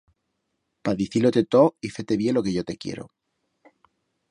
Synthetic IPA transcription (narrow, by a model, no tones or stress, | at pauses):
paðiθilot̪e̞t̪oiθe̞t̪e̞βje̞lo̞keʝo̞t̪e̞kjḛɾo̞̰